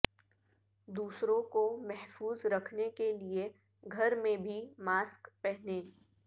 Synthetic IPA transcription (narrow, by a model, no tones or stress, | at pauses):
d̪uːsɾõkomɛɦfuːzɾɐkʰnekelie | ɡʱɐɾmẽbʱimaːskpɛɦnẽː